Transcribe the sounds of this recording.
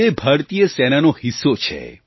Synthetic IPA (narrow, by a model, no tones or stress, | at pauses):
ebʱəɾt̪ijəsɛnanohisot͡ʃʰḛ